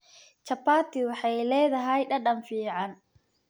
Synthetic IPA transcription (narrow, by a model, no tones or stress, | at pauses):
t͡ʃɐpaːt̪ʰɪwɑħɑjlɛːðɐɦɛjɖɐɗɐmfiːʕɑn